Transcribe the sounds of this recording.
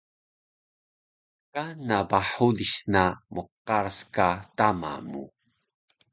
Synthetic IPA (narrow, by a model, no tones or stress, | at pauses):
kanabaħudiɕnamʔuqːaɾskatama̰mṵ